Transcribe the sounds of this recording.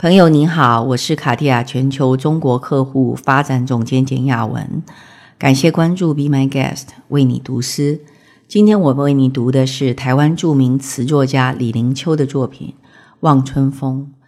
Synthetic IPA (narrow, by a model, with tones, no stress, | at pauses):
pʰɤ˧˥ŋjo˧ʊni˧˥xɑ˨˩˦ʊwɔ˨˩ʂɻ̩˥˩kʰa˨˩t̪i˥˩ja˨˩t͡ɕʰɥɛ˧˥nt͡ɕʰjo˧˥ʊʈ͡ʂʊ˥ŋkwɔ˧˥kʰɤ˥˧xu˥˩fa˥ʈ͡ʂa˨˥˦nt͡sʊ˨˩ŋt͡ɕjɛ˥nt͡ɕjɛ̰˨˩nja˥˩wə̰˧˥n | ka˨˩nɕjɛ˥˩kwa˥nʈ͡ʂu˥˩pi˧˥ma˧˥ɪkɛ̰˥˩stwʔe˥˩ɪnḭ˨˩t̪u˧˥s̩˥ | t͡ɕi˥nt̪ʰjɛ˥nwɔ˨˩mə˨˦we˥˩ɪni˧˥t̪u˧˥d̪ə˧ʂɻ̩˥˩t̪ʰa˧˥ɪwa˥nʈ͡ʂu˥˩mi˧˥ŋt͡sʰɹ̩˧˥t͡swɔ˥˩t͡ɕja˥li˨˩li˧˥ŋt͡ɕʰjo˥ʊd̪ə˨t͡swɔ˥˩pʰḭ˨˩˦n | wɑ˥˩ŋt͡sʰwə˥nfʊ˥ŋ